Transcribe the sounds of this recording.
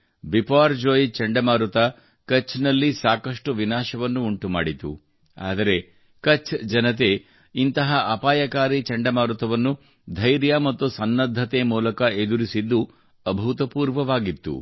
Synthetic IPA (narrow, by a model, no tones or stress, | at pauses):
bipaːɾd͡ʒoːjt͡ʃɐɳɖɐmaːɾut̪ɐ | kɐt͡ʃʰnɐlːisaːkɐʂʈuʋinaːʃɐʋɐnːuːɳʈuma̰ːɽit̪ṵ | a̰ːd̪ɐɾe̞ | kɐt͡ʃʰd͡ʒɐnɐt̪̬e̞ | int̪ɐɦɐʔɐpaːjɐkaːɾit͡ʃɐɳɖɐmaːɾut̪ɐʋɐnːu | d̪ʱɐjɾjaːmɐt̪ːusɐnːɐd̪ʱːɐt̪eːmuːlɐkɐed̪uɾisid̪ːu | ɐbʱut̪ɐpuːɾʋɐʋaːɡit̪ːṵ